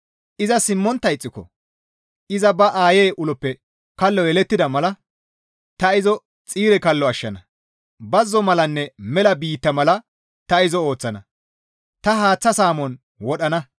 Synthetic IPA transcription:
ʔɪzɐsɪmːɔnt̪ːɐjt͡sʼːɪkɔ̰ | ʔɪzɐbɐʔaːjeːʔʊlɔpːɛ | kɐlːɔjɛlɛt̪ːɪd̪ɐmɐlɐ | t̪ɐɪzɔ | t͡sʼiːɾɛkɐlːɔɐʃːɐnɐ | bɐzːɔmɐlɐnːɛmɛlɐbiːt̪ːɐmɐlɐ | t̪ɐɪzɔo̞ːt͡sːɐnɐ | t̪ɐɦaːt͡sːɐsaːmɔn | wɔɗɐnɐ

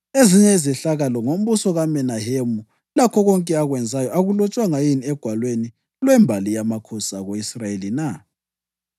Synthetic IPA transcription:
eziɲɛizɛɬaɣalɔŋom̩βusɔɣamɛnaɦemu | lakʰɔɣɔŋkʼɛaɣwɛnd͡zʱajɔʔaɣulɔt͡ʃʼwaŋajiniɛɡ̥ʱwalweni | lwɛmbʱalijamakʰɔsaɣoisrajelina

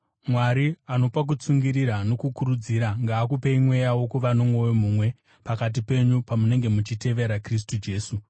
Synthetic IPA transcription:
mwaɾiano̞pak̬ut͡suŋɡiɾiɾano̞kukuɾud͡ziːɾaŋɡaːkupeimwe̞jawo̞kuʋanomwo̞jom̤uːmwe̞ | pakat̬ipe̞ɲupamune̞ŋɡe̞mut͡ʃite̞ʋe̞ɾakris̬tud͡ʒe̞ːsu

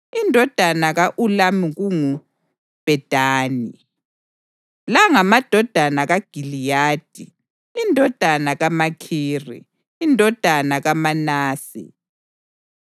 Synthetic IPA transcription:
indʱɔd̥ʱanaɣaʔulamiɣuŋu | b̥ʱɛd̥ʱaːni | laŋamad̥ʱɔd̥ʱanaɣaɡ̥ʱilijaːd̥̚ʱi | indʱɔd̥ʱanaɣamakʰiːrḭ | indʱɔd̥ʱanaɣamanaːsḭ

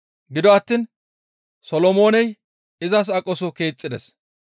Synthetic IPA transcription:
ɡɪd̪ɔɐt̪ːiːn | sɔlɔmo̞ːnɛj | ɪzɐs̬ɐkʼɔsʊke̞ːt͡sʼːɪd̪ɛs

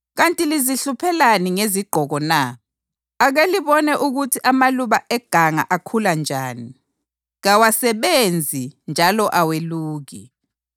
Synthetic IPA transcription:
ɣantʼiliziɬupʰɛlaniŋeziɡ͡ǃʱɔɣɔnaː | ɣeliβɔnɛʔuɣutʰiʔamaluβaɛɡ̥ʱaŋa̰ʔakʰuland͡ʒʱaːni | ɣawasɛβend͡zʱind͡ʒʱalɔʔaweluːɣḭ

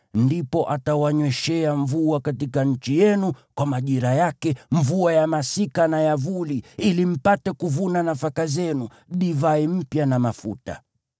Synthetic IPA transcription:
ndipɔʔatawaɲwɛʃɛaɱvuakatikaɲ̩t͡ʃijɛnukwamaʄiɾajakɛɱvuajamasikanajavuliilim̩patɛkuvunanafakazɛnu | ɗivaim̩pjanamafṵta̰

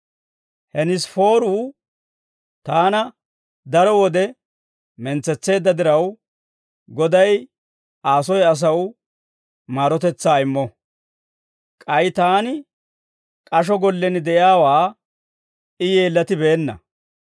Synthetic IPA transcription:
hɛnɪsfo̞ːɾuː | t̪aːnɐ | d̪ɐɾɔwɔd̪ɛ | mɛnt͡sːɛt͡sːe̞ːd̪ːɐd̪ɪɾɐw | ɡɔd̪ɐj | aːsɔjɐs̬ɐwʊ | maːɾɔt̪ɛt͡sːaːɪmːɔ | kʼɐjt̪aːnɪ | kʼɐʃ̬ɔɡɔlːɛnɪd̪ɛʔjaːwaː | ɪjeːlːɐt̪ɪbe̞ːnːɐ̰

